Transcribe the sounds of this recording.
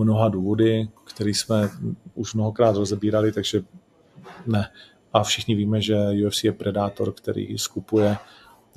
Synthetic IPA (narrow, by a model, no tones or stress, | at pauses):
mno̞ɦaduːvo̞dɪkt̪ɛɾiːsmɛuʃmno̞ɦokɾaːt̪ɾozɛbiːɾalɪt̪aɡʒɛ | nɛ | ʔafʃɪxɲɪviːmɛʒɛjuɛfsɪjɛpɾɛdaːt̪o̞̰ɾkt̪ɛ̰ɾḭːskupujɛ